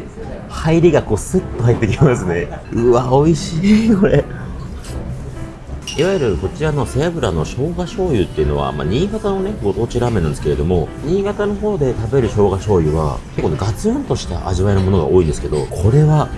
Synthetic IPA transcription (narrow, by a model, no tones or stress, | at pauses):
haiɾʲiɡako̞ːsɨt̪ːohait̪ːe̞k̬ʲimasɨne̞ɯβao̞iɕiːko̞ɾe̞ | iβajɯɾɯ̟ko̞t͡ɕiɾano̞seabɯ̟ɾano̞ɕo̞ːɡaɕo̞ːjɯ̟t̪ːe̞iɯ̟noβa̰ma̰ːɲ̟iːɡat̪aoneɡo̞t̪oːt͡ɕiɾame̞nãnd̪esɨ̥keɾe̞d̪o̞mo̞ɲ̟iːɡat̪ano̞ɦo̞ːd̪e̞t̪abe̞ɾɯ̟ɕo̞ːɡaɕo̞ːjɯ̟βa̰kekonɡat͡sɨɯ̃nt̪o̞ɕi̥t̪a̰ʔa̰ʑiβainomo̞no̞ɡa̰o̞ːĩnd̪e̞sɨ̥ke̞d̪o̞̰kʰo̞ɾe̞βa